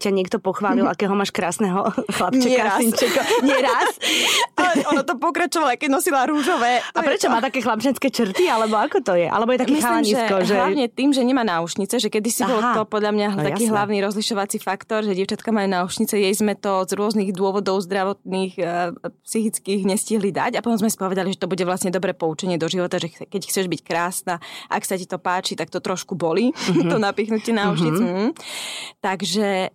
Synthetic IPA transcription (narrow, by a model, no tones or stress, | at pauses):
caɲɪɛkt̪ɔpɔxʋaːlilakɛɦɔmaːʃkɾaːsnɛɦɔxlapt͡ʃɛɛkaɾasiɲt͡ʃɛkɔɲɪɛɾaslɛʔɔnɔt̪ɔpɔkɾat͡ʃɔʋalaajkɛɟnɔsilaɾuːʒɔʋɛːapɾɛt͡ʃɔmaːt̪akɛːxlap̚t͡ʃɛt͡skɛːt͡ʃɾ̩t̪ialɛbɔakɔt̪ɔjɛʔa̰lɛbɔjɛt̪akɛaɲiʒsɛɛkɔɦʒɛlaɲɛt̪iːmʒɛɲɛmaːnauʃɲit͡sɛʒɛkɛd̪isibɔlɔpɔd̪ʎamɲaɦt̪akiːɦlaʊniɾɔzliʃɔʋat͡sifakt̪ɔɾʒɛɟiɛʊt͡ʃat̪kamaːjunauʃɲit͡sɛjɛjzmɛt̪ɔzɾʊɔzniɣd̪ʊɔʋɔd̪ɔʊzd̪ɾaʋɔt̪̚niːxpsixit͡skiɣɲɛsciɦlid̪a̰ɟapɔt̪ɔmzmɛsi̥pɔʋɛd̪aliʒɛt̪ɔbuɟɛʋlasɲɛd̪ɔbɾɛpɔut͡ʃɛɲɪɛd̪ɔʒiʋɔt̪aʒɛkɛcxt͡sɛʒbickɾaːsnaʔaksacit̪ɔpaːt͡ʃit̪ak̚t̪ɔt̪ɾɔʃkubɔlit̪ɔnapiːxnucɪɛnaut͡ʃɲit͡sɛɦ̩t̪aɡʒɛ